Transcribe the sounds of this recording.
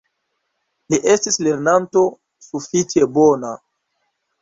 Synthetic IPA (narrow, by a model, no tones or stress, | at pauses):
liʔe̞stisle̞ɾnanto̞ | sufit͡ʃe̞bona